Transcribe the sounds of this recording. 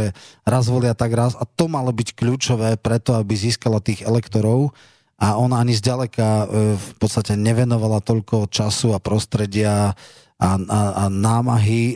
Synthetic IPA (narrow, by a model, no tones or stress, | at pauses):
ɛɾazʋɔlɪat̪aɡɾasat̪ɔmalɔbickʎuːt͡ʃɔʋɛːpɾɛt̪ɔabiziːskalat̪iːɣɛlɛkt̪ɔɾɔʊ | ʔaɔnaaɲizɟalɛkafpɔt̪st̪acɛɲɛʋɛnɔʋalat̪ɔʎkɔt͡ʃasuapɾɔst̪ɾɛɟɪa | aaanaːmaɦi